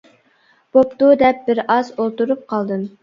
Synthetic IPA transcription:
b̥opt̪ud̪ɛp̚bɪɾɑzolˠt̪uɾup̚qʰɑlˠd̪ɨm

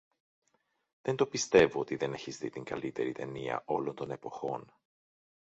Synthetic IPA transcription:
ðent̪o̞pist̪e̞voot̪iðe̞ne̞çizðit̪iŋɡɐlit̪e̞ɾit̪e̞niɐ̰ʔo̞lo̞nt̪o̞ne̞po̞xo̞n

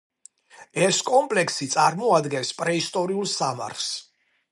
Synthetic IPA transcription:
ɛskʼɔmpʼlɛksit̪sʼaɾmɔad̪ɡɛnspʼɾɛist̪ʼɔɾiulˠsama̰ɾs

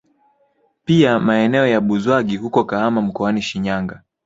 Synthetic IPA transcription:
piamaɛnɛɔjaɓuzwaɡihukɔkahamam̩kɔaniʃiɲaŋɡa

